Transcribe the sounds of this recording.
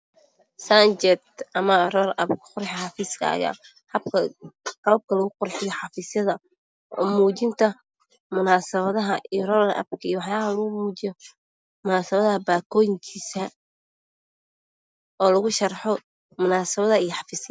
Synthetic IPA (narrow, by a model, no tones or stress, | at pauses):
sɐnt͡ʃɛt̪ɐmɐrɔːlʔɐ̰bkʰɐ̥qʊrħħɑfiːskʰɐ̰ɐ̰ja̰ː | hɐb̚kʰɐqɑlɐb̚kʰɐlɐɣʊqʊrħɪjɔħɑfiːsjɐðɐ | ʔɔ̰ːmuːt͡ʃɪnt̪ʰɐ | mʊnaːsɐβɐðɐɦɐʔijɔrɔːlɐ̰b̚kʰɐijɔwɑħjaːɐɦɐlɐɣʊmuːt͡ʃɪjɔ | mʊnaːsɐβɐðɐɦɐbaːkʰɔːjɪŋkʰiːsɐ | ɔːlɐɣʊʃɐrħɔ | mʊnaːsɐβɐðɐijɔħɑfiːsjɐ